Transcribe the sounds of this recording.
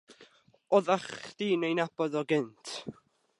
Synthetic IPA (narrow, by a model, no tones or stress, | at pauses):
ɔðaχd̥iːnejnabɔðɔɡɪntʰ